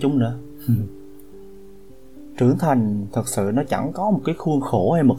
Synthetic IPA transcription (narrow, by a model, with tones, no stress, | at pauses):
t͡ɕʊ˨˦ŋ͡mnɨ̰˧˦ə | t͡ɕɨ˧˩əŋt̪ʰa˨˩jŋ̟t̪ʰɨ˨˩k̚sɨ̰˧˨nɔ˨˦t͡ɕa˧˩ŋkɔ˨˦mo˨˩t̚kaː˨˦jxu˧əŋxo˧˩ha˧jmo˨˩